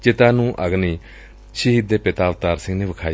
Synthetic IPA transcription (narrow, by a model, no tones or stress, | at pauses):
t͡ʃɪt̪aːnũːʔəɡniː | t͡ʃʰiɦid̪eːpɪt̪aːʋt̪aːɾsɪ̃ŋɡneːʋəkʰaː